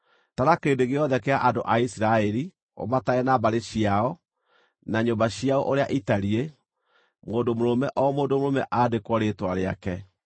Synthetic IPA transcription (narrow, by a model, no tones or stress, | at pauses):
taɾakeːdeɣeɔðɛkeaʔandoʔaisiɾaɛɾi | o̰mataɛnabaɾeɕiaɔ | naɲombaɕiaɔʔoɾeaʔitaɾie | moːndomoɾomɛʔɔmoːndomoɾomɛʔadekwɔɾeːtwaɾea̰kɛ